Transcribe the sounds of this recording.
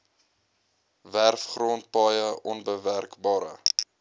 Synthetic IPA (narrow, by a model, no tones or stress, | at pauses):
værfχroːnt̚pɑjəʔɔnbəværkbɑːɾə̰